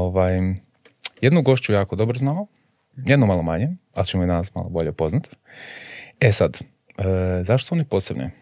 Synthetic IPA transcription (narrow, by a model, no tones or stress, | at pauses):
oʋaj | jed̪nuɡo̞ʃt͡ʃujaːkod̪o̞bɾoznalo | jed̪nomalˠomaɲealt͡ɕemoid̪anasma̰lˠobo̞ʎepo̞znat̪ | esad̪ | əzaʃt̪oonipoːsebnḛ